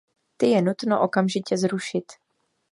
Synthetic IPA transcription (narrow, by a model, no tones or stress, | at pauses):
t̪ɪjɛnut̪noʔokamʒɪcɛzɾuʃɪt̪